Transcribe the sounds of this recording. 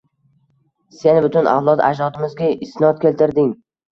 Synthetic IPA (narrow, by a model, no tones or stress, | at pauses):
se̞nbʊt̪ʰʊnʔa̰wlˠɒt̪a̰d͡ʒɾɒt̪ʰɪmɪzɡʲaɪsnɒt̪̚kʲʰe̞lt̪ʰɪɾd̪ɪŋ